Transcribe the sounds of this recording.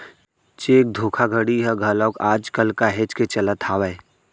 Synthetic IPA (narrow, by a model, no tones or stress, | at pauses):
t͡ʃeːk̚d̪ʱoːkʰaɡʱəɽiɦɛɡʱəlɔ̃ːkaːd͡ʒkəlkaɦeːt͡ʃket͡ʃələt̪ʰaːwəe